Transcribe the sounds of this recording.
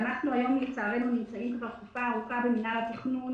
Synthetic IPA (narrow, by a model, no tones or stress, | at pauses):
anaχnuajo̞mlet͡saːʁenunimt͡saitbaχkufaːʁukabeminalatiχnun